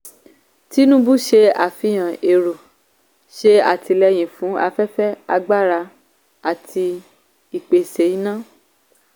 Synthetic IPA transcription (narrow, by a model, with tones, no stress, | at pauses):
ti˦nũ˦bu˦ʃe˧a˨fĩ˧j̃ã˨e˨ɾo˨ | ʃe˧a̰˨ti˧lɛ˧j̃ĩ˨fũ˨˦a˧fɛ˦fɛ˦a˧ɡ͡ba˦˨ɾa˧ | a˨tʰi˧ | i˨k͡pe˨se˨˦i˦nã˦